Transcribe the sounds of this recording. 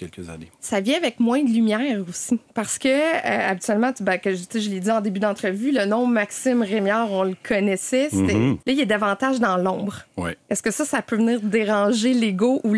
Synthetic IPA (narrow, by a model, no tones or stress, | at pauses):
kʲɛlkəza̰nesavjɛ̃avɛk̚mwɛ̃d̪lymjɛːʁosipaʁsə̥kʲəø̰abit̪yɛlmɑ̃t̪bɛ̃kɔʒt͡seʒəled̪iɑ̃d̪ebyd̪ɑ̃t̪χəvylənɔ̃maksɪmʁemjɑːʁɔ̃ləkʰɔnɛsɛset̪ɛlɐilɛd̪avɑ̃t̪aʒd̪ɑ̃lɔ̃bʁwḭɛskəsʌsapøvəniːʁd̪eʁɑ̃ʒeleɡoʔu